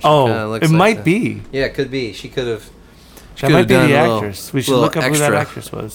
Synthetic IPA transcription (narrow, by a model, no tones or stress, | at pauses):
oʊlɨt̚maɪt̚b̥ijækʰɨd̚biʃikʰʊɾɨv̥ | ɨt̚maɪbĩðiækt͡ʃɹ̥ɨswiʃɨl̩lʊkɨpɛwuðɨɾæk̚t͡ʃɹ̥ɨ̰swʌ̰z̥